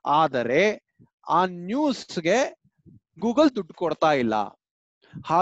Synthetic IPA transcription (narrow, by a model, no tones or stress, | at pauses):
aːd̪ɐɾe̞ | aːnjuːsɡe̞ | ɡuːɡɐld̪uɖkɔɽt̪aːjilːɐ̰ | haː